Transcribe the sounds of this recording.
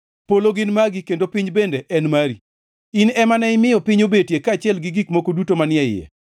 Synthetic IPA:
poloɡɪnmaɡɪkendopiɲbendeʔɛnmaɾi | inɛmanɛɪmɪjɔpiɲobetjekaːt͡ʃɪɛlɡɪɡikmokodutomanɪɛɪjɛ̰

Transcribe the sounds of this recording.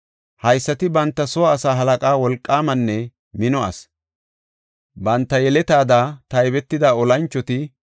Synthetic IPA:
hɐjsːɐt̪ɪbɐnt̪ːɐsɔwaːsaːɦɐlɐkʼaːwɔlkʼːaːmɐnːɛ | mɪnɔʔɐ̰s | bɐnt̪ːɐjɛlɛt̪aːd̪aːt̪ɐjbɛt̪ːɪd̪aːɔlɐnt͡ʃːɔt̪ɪ

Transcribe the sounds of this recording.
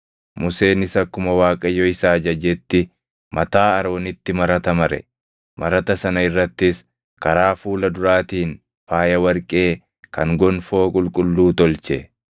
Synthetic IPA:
mʊse̞ːnɪsɐkːʊmɐwaːkʼɐjːɔɪsaːd͡ʒɐd͡ʒɛt̪ːɪ | mʔɐt̪aːɐɾo̞ːnɪt̪ːɪmɐɾɐt̪ɐmɐɾɛ̰ | mɐɾɐt̪ɐsɐnɐɪrːɐt̪ːɪs | kɐɾaːfuːlɐd̪ʊɾaːt̪iːn | faːjɐwɐɾkʼe̞ː | kɐŋɡɔnfo̞ːkʼʊlkʼʊlːuːt̪ɔlt͡ʃɛ

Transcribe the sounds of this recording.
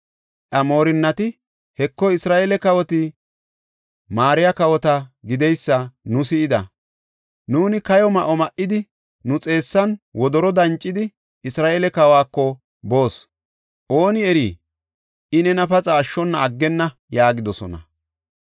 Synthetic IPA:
ʔɐmo̞ːɾɪnːɐt̪ɪ | hɛkːɔɪsɾaːʔelɛkɐwɔt̪ɪ | maːɾɪjɐkɐwɔt̪ɐɡɪd̪ɛjsːɐnʊsɪɪd̪ɐ̰ | nuːnɪkɐjɔmɐʔɔmɐʔɪd̪ɪ | nʊt͡sʼe̞ːsːɐnwɔd̪ɔɾɔd̪ɐnt͡ʃʼːɪd̪ɪ | ɪsɾaːʔeːlɛkɐwaːkːɔ | bo̞ːs | ʔo̞ːnɪɛɾiː | ʔɪnɛnɐfɐt͡sʼaːʃːɔnːɐːɡːɛnːɐ | jaːɡɪd̪ɔsɔ̰nɐ̰

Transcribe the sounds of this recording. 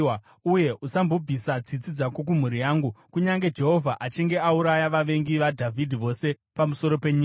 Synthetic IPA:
uje̞ʔusambo̞bʱisad͡zit͡sid͡zakwok̬um̤uɾijaːŋɡukuɲaŋɡe̞d͡ʒe̞ɦo̞vʱaʔat͡ʃiŋɡe̞auɾajaʋaʋe̞ŋɡiʋadʱavʱidʱiʋo̞se̞ | pamuso̞ɾo̞peɲiː

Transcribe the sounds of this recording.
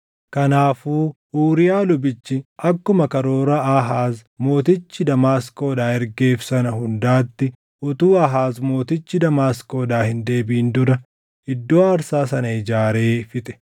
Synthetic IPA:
kɐnaːfuːʔuːɾɪjaːlʊbɪt͡ʃːɪʔɐkːʊmɐkɐɾo̞ːɾɐʔaɦaːzmo̞ːt̪ɪt͡ʃːɪd̪ɐmaːsko̞ːd̪aːɛɾɡe̞ːfsɐnɐhʊnd̪aːt̪ːɪ | ʔʊt̪uːɐɦaːzmo̞ːt̪ɪt͡ʃːɪd̪ɐmaːsko̞ːd̪aːhɪnd̪e̞ːbiːnd̪ʊɾɐ | ɪd̪ːoːɐɾsaːsɐnɐɪd͡ʒaːɾe̞ːfɪt̪ɛ̥

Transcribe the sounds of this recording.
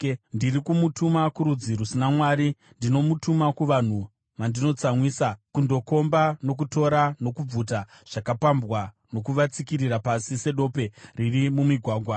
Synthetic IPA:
ndirikumutumakuɾud͡ziɾusinamwaːɾi | ndino̞mutumakuʋan̤u | ʋandino̞t͡samwiːsakundo̞ko̞mbano̞k̬uto̞ɾano̞kub͡vuta | ʐ̥akapambwa | no̞kuʋat͡sikiɾirapasise̞ɗo̞ːpe̞ririmumiɡʱwaːɡʱwa

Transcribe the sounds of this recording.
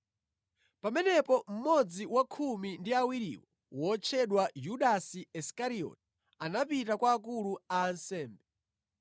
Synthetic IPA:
pamɛnɛpɔm̩mɔd͡ziwakʰumindiawiɾḭwɔ | wɔt͡ʃʰɛɗwajuɗasiɛskaɾiɔ̰t̚i̥ | anapitakwaːk̬uluaːnsɛːmbɛ

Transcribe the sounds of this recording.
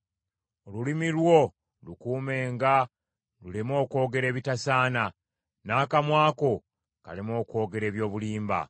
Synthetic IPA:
olulimilwo̞ | lukuːme̞ːŋɡa | lulemo̞ːko̞ːɡe̞ɾe̞ːβitasaːna | naːkamwaːko̞ | kalemo̞ːko̞ːɡe̞ɾe̞ːβjo̞ːβuliːmba̰

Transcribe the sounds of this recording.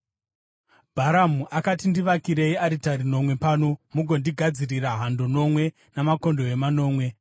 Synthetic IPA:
bʱaɾamuʔakatindiʋakiɾe̞iaɾitaɾino̞mwe̞paːnomuɡʱo̞ndiɡʱad͡ziriraɦando̞no̞mwe̞ | namako̞ndo̞emano̞ːmwe̞

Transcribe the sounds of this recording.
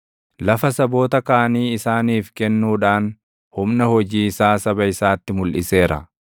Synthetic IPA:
lɐfɐsɐbo̞ːt̪ɐkaːɐniːɪsaːniːfkɛnːuːᶑaːn | hʊmnɐhɔd͡ʒiːɪsaːsɐbɐɪsaːt̪ːɪmʊlʔɪ̰se̞ːɾɐ̰

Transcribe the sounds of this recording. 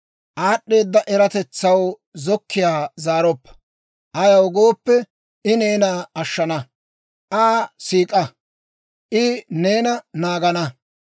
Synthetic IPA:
ʔaːɗːe̞ːd̪ːɐʔɛɾɐt̪ɛt͡sːɐw | zɔkːɪjaːzaːɾɔpːɐ̥ | ʔɐjɐwɡo̞ːpːɛ | ɪneːnaːɐʃːɐnɐ | ʔaːsiːkʼɐ | ʔɪne̞ːnɐnaːɡɐnɐ

